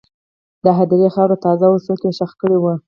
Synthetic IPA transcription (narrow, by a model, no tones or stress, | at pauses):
d̪əɦad̪iɾexɑwɾot̪ɑzawusokeʃaxkəɽiwu